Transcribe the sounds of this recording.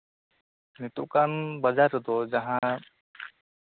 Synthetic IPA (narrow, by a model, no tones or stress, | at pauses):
nɪt̪ukanbɐd͡ʒaɾd̪od͡ʒɐɦã